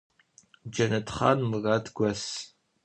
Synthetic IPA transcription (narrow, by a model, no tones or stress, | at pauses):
d͡ʒɐnɐtχɑ̰ːnmɨraːtʰɡʷɐs